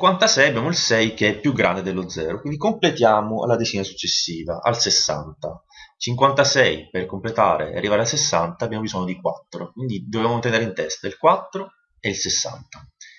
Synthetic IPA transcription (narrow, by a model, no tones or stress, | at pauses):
iŋkwant̪asɛjabjaːmoilsɛjkeɛpːjuɡɾand̪ed̪elːod̪zɛːɾokwind̪ikomplet̪jaːmoa̰lːad̪et͡ʃinasu̥t͡ʃːesːiːva̰ʔa̰lsesːa̰nt̪a | t͡ʃiŋkwant̪asɛjperkomplet̪a̰ːɾḛa̰rːivaɾalsesːa̰nt̪aːbjaːmobizɔɲːod̪ikwa̰t̪ːɾokwind̪id̪ovevaːmot̪eneɾeint̪ɛst̪ailkwat̪ːɾo | eilsesːa̰nt̪a